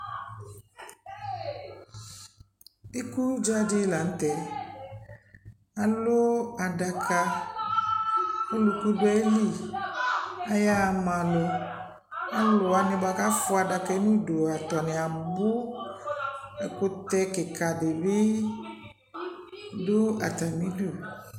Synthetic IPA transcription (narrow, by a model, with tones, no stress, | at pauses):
i˦ku˦d͡ʒa˦dɪ˦la˨n̩˦t̪ɛ˨ | a˨lo˦a˨da˨kʰa˨ | o˦lu˨ku˦bɛ˦li˦˨ | a˨ja˦˨mã˨lo˨ | a˦lʊ˨a˨nɪ̃˨ba˨ka˦fʊ˦a˨da˨kɛ˦nũ˦do˨a˨t̪ɔ˨nɪ̃˨a˨bʊ˦ | a˨ko˦t̪ɛ˦kɪ˨kʰa˨de˨be˦ | do˦a˨t̪a˨mĩ˦du˦˨